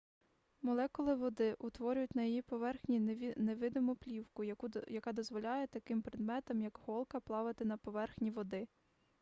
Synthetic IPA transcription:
mɔlˠɛkɔlˠɪʋɔd̪ɪʔʊt̪ʋɔɾʲʊjʊtʲnɐjijipɔʋɛrxnʲineʋɪd̪ɔmʊplʲiwkʊjɐkɑd̪ɔzʋɔlʲɑjɛt̪ɐkɪmpɾed̪mɛt̪ɐmjɐkɦɔlˠkɐplˠɑʋɪt̪ɪnɐpɔʋɛrxnʲiʋɔd̪ɪ

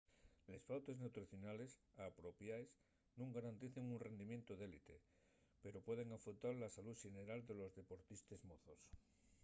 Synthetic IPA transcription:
le̞sfawt̪eznut̪ɾiθjonale̞sapɾo̞pjaes | nũŋɡaɾant̪iθeŋunre̞nd̪imje̞nt̪oðe̞lit̪e̞̰ | pe̞ɾo̞pwe̞ð̞e̞ŋafut̪aɾlasaluʃene̞ɾald̪elo̞zðe̞po̞ɾt̪ist̪ezmoθo̞s

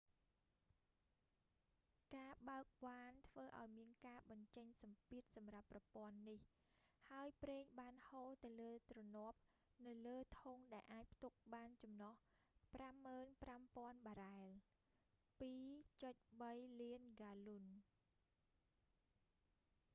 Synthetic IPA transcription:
kaːɓaək̚ʋaːnt̪ʰʋəːʔa̰ɔjmiənkaːɓɑɲt͡ɕəɲsɑmpiət̪̚sɑmrapːrɑpŏənːih | haəjpreːŋɓaːnhoːt̪ɨwləːt̪rɑnŏəp̚ | nɨwləːt̪ʰoŋɗaɛlʔaːc̚pʰt̪uk̚ɓaːnt͡ɕɑmnoh | pramːəːnprampŏənɓaːɾaɛl | piːt͡ɕoc̚ɓəjliənɡaːlun

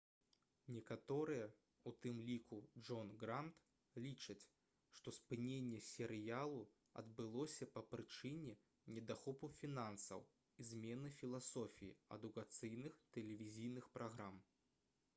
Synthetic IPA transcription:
nʲɛkat̪ɔɾɨjɛ | ut̪ɨmlʲikud͡ʐɔnɡɾant̪ | lʲit͡ʂɐt͡sʲ | ʂt̪ɔspɨnʲenʲːɛsʲɛɾɨjalˠu | ɐ̰d̪bɨlˠɔsʲɐpɐpɾɨt͡ʂɨnʲɛ | nʲɛd̪axɔpufʲinansɐ̰w | izʲmʲɛnɨfʲilˠasɔfʲijḭɐ̰d̪ukat̪sɨjnɨxt̪ɛlʲɛvʲizʲijnɨxpɾaɣɾam

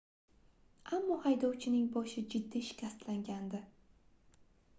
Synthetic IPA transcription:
amːɒhajd̪ɒwt͡ʃʰɪnɪŋbɒʃɪd͡ʒɪd̪ːiʃɪ̥kʲʰast̪laŋɡʲand̪ɪ

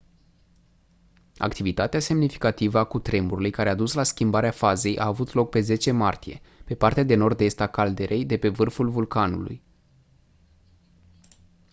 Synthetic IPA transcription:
a̰kt̪ivit̪at̪ease̞mnifi̥kat̪ivəakut̪ɾe̞muɾulejkaɾe̞ad̪uslaskʲimbaɾeafaze̞jʔaːvut̪lo̞k̚pe̞ze̞t͡ʃe̞mart̪ije̞̰pe̞part̪ead̪e̞no̞rd̪e̞st̪akald̪e̞ɾʔe̞jd̪e̞pe̞vɨrfulvulkanṵlṵj

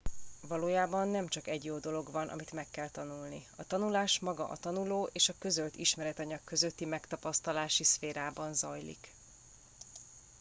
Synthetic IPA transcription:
vɒloːjaːbɒnːɛmt͡ʃɒkɛɟjoːd̪o̞lo̞ɡvɒnʔɒ̰mit̪mɛkːɛlt̪ɒnulniɒt̪ɒnulaːʃmɒɡɒʔɒt̪ɒnuloːʔeːʃɒkø̞zølt̪iʃmɛɾɛt̪ɒɲɒkːø̞zøt̪ːimɛkt̪ɒpɒst̪ɒlaːʃisfeːɾaːbɒnzɒjlḭk

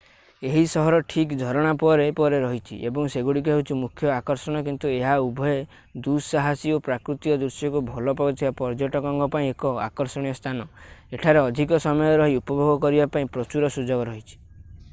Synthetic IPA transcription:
eɦisɔɦɔɾɔʈʰikd̪ʱɔɾɔɽ̃apɔɾepɔɾeɾɔɦit͡ʃʰḭʔebɔŋseɡuɽik̬eɦwt͡ʃʰimukʰjɔakɔɾsɔɽ̃ɔkint̪ueɦaubʱɔje | d̪usaɦasiopɾakɾut̪iɔd̪usjɔkubʱɔlɔpɔɡɔt̪ʰibapɔɾd͡ʒɔʈɔkɔŋɡɔpaĩekɔa̰kɔɾsɔɽ̃ijɔst̪ʰanɔeʈʰaɾeɔd̪ʱikɔsɔmɔjɔɾɔɦiupɔbʱoɡɔkɔɾibapaĩpɾɔt͡ʃuɾɔsud͡ʒɔɡɔɾɔɦit͡ʃʰi̥

